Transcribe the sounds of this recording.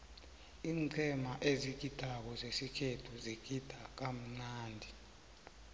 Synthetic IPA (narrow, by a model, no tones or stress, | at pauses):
iːŋŋ͡ǀʱɛmaʔeziɡ̥̬id̥ʱak̬ɔzesikʰetʰuziɡ̥ʱid̥ʱak̬am̩ŋ͡ǀaːndʱi